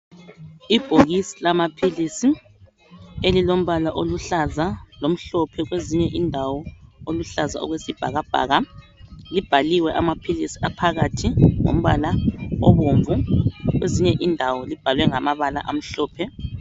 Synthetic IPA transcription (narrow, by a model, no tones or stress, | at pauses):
ib̥ʱoɣisilamapʰilisi | elilom̩βalaʔoluɬazalom̩ɬɔpʰɛɣweziɲɛʔindʱawɔoluɬaza̰ɔ̰ɣwesib̥ʱa̰ɣab̥ʱa̰ːɣa | lib̥ʱaliwɛʔamapʰilisi̥apʰaɣatʰiŋo̰m̩βa̰laɔβoːɱvuɣweziɲɛʔindʱawɔlib̥ʱalwɛŋamaβala̰ʔam̩ɬɔːpʰɛ